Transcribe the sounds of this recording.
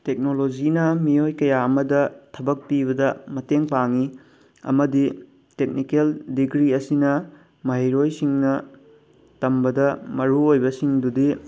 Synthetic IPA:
tek̚nolod͡ʒinɐmijojkɐjaɐmɐdɐtʰɐbɐk̚piβɐdɐmɐteŋpaŋi | ɐ̰mɐdi | tek̚nikeldiɡɾiɐsinɐ | mɐɦejɾojsiŋnɐ | tɐmbɐdɐmɐɾuojbɐsiŋdudi

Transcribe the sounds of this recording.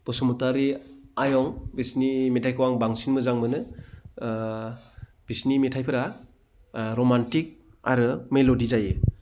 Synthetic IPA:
b̥ɔsɔmutaɾiajɔŋbisnimetʰajkʰɯwaŋbaŋsinmɯzaŋmɯnɯ | b̥isnimetʰajpʰɯɾa | ɾomantik̚ | a̰ɾɯmelodizaje

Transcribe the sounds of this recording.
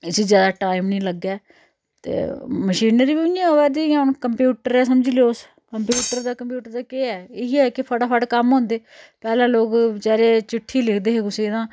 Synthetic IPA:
ɪsiːzjaːd̪aːʈaːɪmnĩːləɡɛː | t̪ḛːməʃiːnəɾibiːʊãːoːʋɛːd̪ĩːʊnkəmpjuːʈəɾɛːs̬əmd͡ʒiːleoːs | kəmpjuːʈəɾd̪aːkəmpjuːʈəɾd̪aːkeːɛːeiɛːkɪpʰəʈaːpʰəʈkəmɦõːnd̪eːpɛːlãːloːkd͡ʒɛːɾeːt͡ʃɪʈʰːiːlɪkʰd̪eːɦeːkʊseːd̪ãː

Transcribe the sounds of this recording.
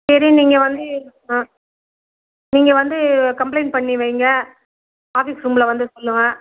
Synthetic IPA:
sɛɾɪ̃niːŋɡɐʋɐnd̪ɯ | niːŋɡɐʋɐnd̪ɯkɐmp̬lɐɪnpɐɳːiʋeːŋɡɐ | aːfiːsɾuːmlɐʋɐnd̪ɯsɔlːɯŋɐ

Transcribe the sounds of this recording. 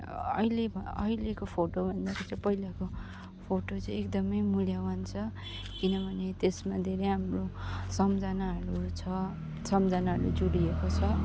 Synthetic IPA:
ʌ̰ilebʱʌʌ̰ɦilekopʰoʈobʱʌnd̪atʌt͡sʌpʌɦilako | pʰoʈot͡sʌj̃ekd̪ʌmʌjmuljawʌnt͡sʰʌ | kinʌbʱʌnet̪esmad̪ʱeɾejɦamrosʌmd͡zanaɦʌɾut͡sʰʌ | sʌmd͡zanaɦʌɾṵd͡zuɽiekot͡sʰʌ

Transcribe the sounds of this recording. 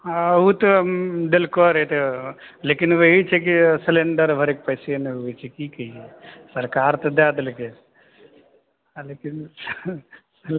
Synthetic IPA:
uːt̪d̪elkoɾɐt̪eleːkinʋeit͡ʃʰek̬iseleɳɖɐɾbʱɐɾek̚pɐjseɐnʋt͡ʃʰekiːkɐjsɐɾkaːɾt̪ɐd̪aɐd̪ɐlɐke | leːkin | s

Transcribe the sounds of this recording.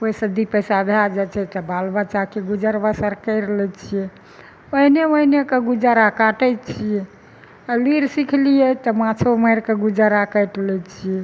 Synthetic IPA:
oisə̃d̪ipəjsabʱjad͡ʒɛt͡ʃʰɛt̪ɔbalbət͡ʃakeɡud͡ʒəɾbəsəɾkəɪɾlɛt͡ʃʰijɛ | oɦineoinekeɡud͡ʒaɾakaʈɛt͡ʃʰiɛ | aliɾsikʰlijɛt̪ɔmãt͡ʃʰoməjɾkeɡud͡ʒaɾakəjʈlɛt͡ʃʰijɛ

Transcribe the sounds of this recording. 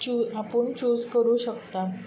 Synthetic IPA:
uapəɳt͡ɕuːzkəɾuːɕəkt̪a

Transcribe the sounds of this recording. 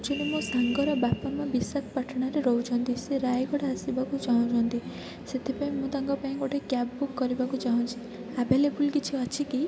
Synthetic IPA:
t͡ʃunumosaŋɡɔɾɔbapɔmabisak̪paʈʰɽ̃aɾeɾɔɦut͡ʃʰɔnt̪iseɾajɡɔɽeasibakut͡ʃaw̃t͡ʃʰɔnt̪i | set̪ʰipaĩmud̪aŋɡɔpaĩɡoʈekjabbukːɔɾibakut͡ʃaɦɔ̃t͡ʃʰi | abʱelebulkit͡ʃʰiɔt͡ʃʰiki

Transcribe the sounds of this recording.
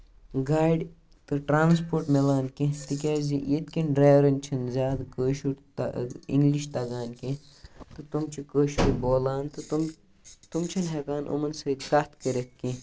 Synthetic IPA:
ɡaːjɖ | t̪ɨʈɾaːnspoːɾʈmelaːnkẽt̪ikʲaːzijet̪kʲinɖɾaːʋɾɐnʲt͡ʃʰɐnzʲaːd̪kəːʃuɾt̪ḭŋɡliʃt̪ɐɡaːnkẽ | t̪ɨt̪umt͡ʃʰikəːʃuɾiboːlaːnt̪ɨt̪um | t̪umt͡ʃʰɐnɦekaːnʔo̰mɐnsɐd̪kɐt̪kəɾet̪̚kĩ

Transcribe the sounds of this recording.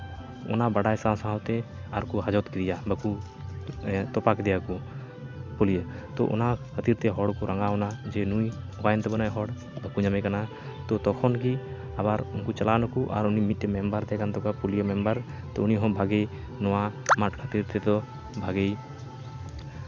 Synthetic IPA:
ɔ̰nabaɽajsãsaɦawt̪ɛaɾkɔɦad͡ʒɔt̪kiɾijabəku | t̪ɔpakd̪ɛjaku | pulijət̪ɔ̰ʔɔ̰nakʰət̪iɾt̪ɛɦɔɽkɔɾaŋɡaɔnad͡ʒɛnuj | ɔɡajnt̪ɛbɔnajɦɔɽ | bəkuɲamɛkana | t̪ɔt̪ɔkʰɔnki | abaɾunkut͡ʃalanɔkuʔa̰ɾunimit̪̚ˀːɛmɛmbaɾt̪ɛkant̪ɔkapulijəmɛmbaɾ | t̪ɔuniɦɔ̃bʱaɡɛj | nɔwamaʈkʰət̪iɾt̪ɛd̪ɔ | bʱaɡej

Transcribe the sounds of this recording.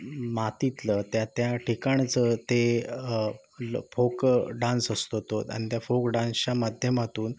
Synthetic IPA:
mat̪it̪lət̪jat̪jaʈʰikaɳt͡sət̪e | fʰokɖãnsəst̪ot̪ot̪a̰ɽ̃it̪jafokɖãnsət͡ɕamad̪ʱjəmat̪uːn

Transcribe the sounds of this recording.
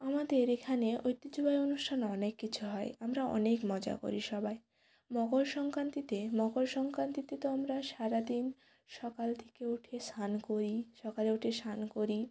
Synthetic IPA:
amad̪eɾekʰaneojt̪ːid͡ʑobaeonuʃʈʰanɔnekːit͡ɕʰuɦɔeamɾaɔ̰nekmɔd͡ʑa̰ko̰ɾiʃɔbʱae | mɔɡolʃɔŋkɾant̪it̪emɔɡolʃɔŋkɾant̪it̪et̪oamɾaʃaɾad̪in | ʃɔkalt̪ʰe̥keoʈʰesʰankoɾiʃɔkaleoʈʰesankoɾi

